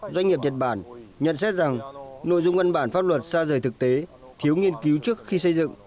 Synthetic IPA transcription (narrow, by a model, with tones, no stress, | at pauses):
zwa˧ɲŋ̟ŋi˨˩əp̚ɲə˨˩t̚ɓaː˧˩nɲə̰˧˨nsɛ˦˥t̚za˨˩ŋno̰˧˨jzʊ˧ŋ͡mʔvə˧nɓaː˧˩nfaː˦˥p̚lwə˨˩t̚saː˧zəː˨˩jt̪ɨ˨˩k̚t̪e˨˦ | t̪ʰi˨˦wŋi˧ənki˨˦wt͡ɕɨ˦˥ək̚xi˧sə˧jzɨ̰˧˨ŋ